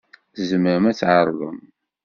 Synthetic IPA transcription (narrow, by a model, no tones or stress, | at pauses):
zəməɾəmæt͡sːʕəɾˤðˤə̰m